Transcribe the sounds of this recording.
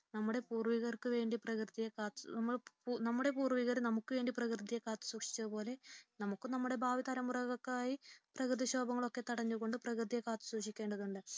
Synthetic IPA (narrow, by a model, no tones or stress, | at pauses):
nɐmːuɽe̞puːrʋiɣɐrkɨʋe̞ːɳɖiprɐkrɨt̪ijekaːt̪ɐmːɐɭpːnɐmːuɽe̞puːrʋiɣɐrnɐmukːɨʋe̞ːɳɖiprɐkrɨd̪ijekaːt̪ːɨ̥swuːkʂi̥t͡ɕːɐðɨpo̞ːle̞nɐmukːɨnɐmːuɽe̞bʱaːʋit̪ɐɾɐmːurɐɣɐkːaːjiprɐkrɨðiɕo̞ːbɐŋːɐɭo̞kːe̞t̪ɐɽɐɲːuɣo̞ɳɖɨprɐkrɨðijekaːt̪ːɨ̥suʂikʲːe̞ːɳɖɐðuɳɖɨ